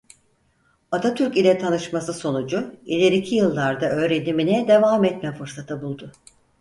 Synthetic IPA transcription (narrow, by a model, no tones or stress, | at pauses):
at̪ʰat̪ʰyɾcilʲɛt̪ʰanɯʃmasɯso̞nud͡ʒʊilʲeɾicʰijɯlˠːaɾd̪aø̞ːɾed̪iminɛd̪e̞vaːmɛt̪mɛfɯɾsat̪ʰɯbulˠd̪ʊ